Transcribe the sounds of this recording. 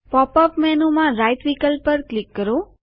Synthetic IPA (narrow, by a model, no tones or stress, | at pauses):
pɔpəpmɛnomãɾajt̪ʋikəlppːəɾklikːəɾo